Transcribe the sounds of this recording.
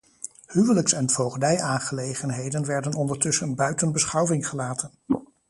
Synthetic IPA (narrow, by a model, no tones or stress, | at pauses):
hyʋələksɛnvowχdɛjʔaːnχəlejχənɦejdənʋɛɹdənɔndəɹtɵsənbœɥtənbəsχɑwvɪŋχəlaːtʰən